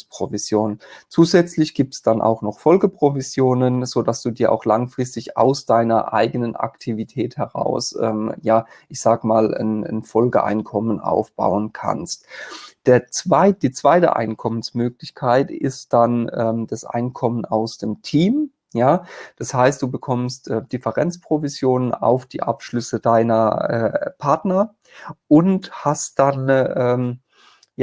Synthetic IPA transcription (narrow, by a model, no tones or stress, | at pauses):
spʁ̥ovizjoːnt͡suːzɛt͡slɪçɡ̥iːp̚tsd̥anʔa̰ʊxnɔχfɔlɡəpʁ̥ovizjoːnənz̥odasd̥uːdiːɐʔa̰ʊxlaŋfʁ̥ɪstɪça̰ʊsd̥aɪnɐʔa̰ɪɡənənʔa̰ktʰivitʰɛːthɛʁa̰ʊsʔɛ̰ːmjaːʔɪçz̥aːɡəmaːlə̰nənfɔlɡəʔa̰ɪnkʰɔmənʔa̰ʊfb̥a̰ʊənkʰa̰nstd̥eːɐt͡svaɪd̥iːt͡sv̥aɪtə̰ʔa̰ɪnkʰɔmənsmøːklɪçkʰaɪtɪ̰std̥anʔɛːmd̥asʔa̰ɪnkʰɔmənaʊsd̥eːmtʰiːm | jaːd̥ashaɪst̚d̥uːbəkʰɔmstʔɛːd̥ɪfəʁɛnt͡spʁ̥ovizjoːnəna̰ʊfd̥ḭːʔapʃlʏsədaɪnɐɛ̰ːpʰaɐtnɐ | ʔʊnthast̚d̥anʔɛːm | ja